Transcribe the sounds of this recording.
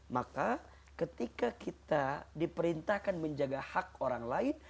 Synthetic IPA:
maka | kət̪ikakit̪adipəɾint̪ahkanməɲd͡ʒaɡahak̚oɾaŋlaɪn

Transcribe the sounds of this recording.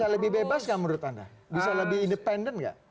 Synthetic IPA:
aləbɪhbebasɡaməɾʊt̪anda̰bisaləbɪhindəpɛndənka̰ʔ

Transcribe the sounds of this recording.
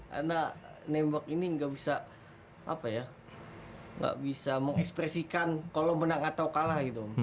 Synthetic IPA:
ʔa̰nanɛmbakiniŋɡaʔbisa | ʔa̰paja | ŋɡa̰ʔbisaməŋɛkspɾɛsikankalomənaŋat̪awkalahɡit̪u

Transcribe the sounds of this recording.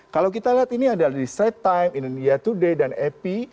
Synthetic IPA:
kalawk̬it̪aliɦat̪iniadaladisɛt̪ːajmindnjat̪udedanɛpi

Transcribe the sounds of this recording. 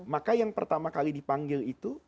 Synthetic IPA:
makajaŋpə̰rt̪amakalidipaŋɡɪlit̪u

